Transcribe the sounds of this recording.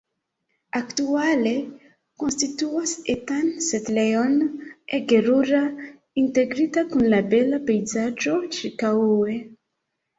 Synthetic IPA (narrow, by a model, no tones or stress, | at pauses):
aktuale̞ | ko̞nstituasetansetle̞joneɡe̞ɾuɾa | inte̞ɡɾitakunlabe̞lape̞jzad͡ʒo̞t͡ʃiɾkawe̞